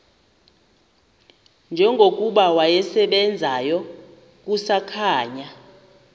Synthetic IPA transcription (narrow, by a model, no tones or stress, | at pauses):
nd͡ʒʱɛŋɡʱok̬ʼuɓawajɛsɛɓɛnd͡zʱajɔ | k̬usakʰaːɲa